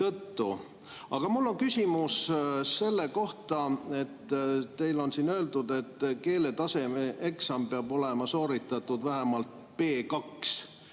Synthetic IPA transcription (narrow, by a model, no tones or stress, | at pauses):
t̪ɤt̪ːu | ɑɡ̥ɑmulːo̞ŋkysʲimusse̞lːe̞ko̞ht̪ɑe̞t̪ːe̞jlo̞nsinø̞e̞ld̪ud̪e̞t̪ːke̞ːle̞t̪ɑse̞meʔe̞ksɑmpeɑbo̞le̞mɑso̞ːɾit̪ːˑɑt̪ːˑud̪væɦemɑlt̪̚ | pe̞ːkɑks